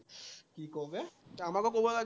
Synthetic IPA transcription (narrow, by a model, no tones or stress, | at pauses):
kikoɦbeamakekobola